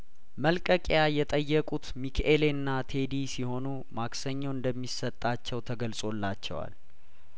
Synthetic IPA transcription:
məlkʼəkʼjajɛt̪ʼəjːɛkʼut̪mikʰʔelenːat̪ʰe̞d̪isiho̞nu | maksəɲːoɨnd̪əmːisət̪ʼːat͡ʃːɛwt̪ʰəɡəlsʼo̞lːat͡ʃːɛ̰wa̰l

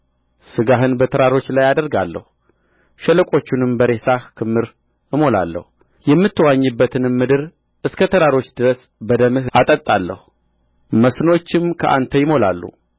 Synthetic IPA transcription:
sɨɡaɦɨnbət̪ʰəɾaɾo̞t͡ʃːlajad̪əɾɡalːə̰hu | ʃɛləkʼo̞t͡ʃːunɨmbəɾe̞sahkʰɨmːɨɾ | ɨmo̞la̰lːə̰hu | jɛmːɨt̪ʰːəwaɲːɨbːət̪ʰɨnɨmːɨd̪ɨɾ | ʔɨskʰət̪ʰəɾaɾo̞t͡ʃːd̪ɨɾəs | bəd̪əmɨhʔat̪ʼət̪ʼalːə̰hu | məsno̞t͡ʃːɪmkʰəʔa̰nt̪ʰəjɪmo̞la̰lːṵ

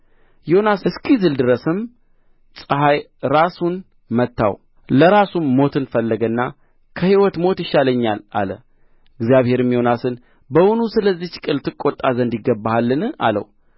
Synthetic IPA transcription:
jo̞nasɨɨskʰizɨld̪ɨɾəsɨm | sʼɨɦaj | ɾasun | mət̪ʰːa̰w | ləɾasumːo̞t̪ʰɨnfəlːəɡənːa | kʰəhiwɔt̪mo̞t̪jɪʃːaləɲːala̰lə̰ | ɨɡzjaβhe̞ɾɨmjo̞nasɨn | bəwʊnusɨləzːit͡ʃkʼɨlt̪ʰɨkʼːo̞t̪ʼːazənd̪jɪɡəbːahalːɨnɨa̰lə̰w

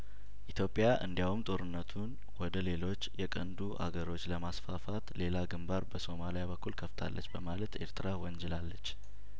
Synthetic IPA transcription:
ʔit̪ʰjo̞pʼːjaʔɨnd̪ijawumt̪ʼo̞ɾɨnːət̪ʰun | wɔd̪əle̞lo̞t͡ʃːjɛkʼənd̪uʔa̰ɡəɾo̞t͡ʃːləmasfafat̪le̞laɡɨmbaɾbəso̞malijaβəkːulkʰəft̪ʰa̰lːə̰t͡ʃːbəmalət̪ʔe̞̰ɾt̪ʰɨɾawɔnd͡ʒɛlalːət͡ʃː

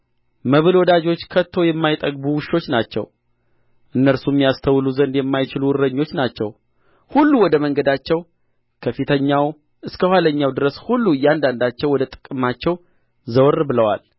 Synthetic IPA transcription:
məβɨlwɔd̪ad͡ʒo̞t͡ʃːkʰət̪ʰːo̞jɛmːajt̪ʼəɡbuwɨʃo̞t͡ʃːnat͡ʃːɛ̰w | ʔɨnːəɾsumːijast̪ʰəwluzənd̪jɛmːajt͡ʃɪluwʊɾːəɲːo̞t͡ʃːnat͡ʃːɛw | hulːuwɔd̪əməŋɡəd̪at͡ʃːɛw | kʰəfit̪ʰəɲːaw | ʔɨskʰəhwaləɲːawd̪ɨɾəshulːujand̪and̪at͡ʃːɛwːɔd̪ət̪ʼɨ̥kʼːɨmat͡ʃːɛw | zəwrbɨləwa̰l

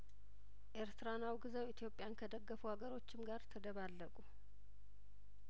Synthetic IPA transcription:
ʔeɾt̪ʰɨɾanawɡɨzəwit̪ʰijo̞pʼːjankʰəd̪əɡːəfuhaɡəɾo̞t͡ʃːɪmɡaɾt̪ʰəd̪əβalːəkʼu

